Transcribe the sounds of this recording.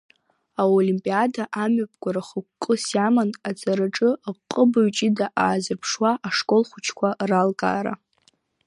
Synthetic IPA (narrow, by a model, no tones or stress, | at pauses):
aolimpʼiadaʔamɥap̚ʰʼɡʷaɾaχəkʷkʼːɨsjamanat͡sʼaɾaʈ͡ʂʼɨqʼːəbaɥt͡ʃʼidaʔaːzɨrpʰʂwaʔaʂkʼolχʷʊt͡ʃʰkʷʰaralkʼa̰ːɾa̰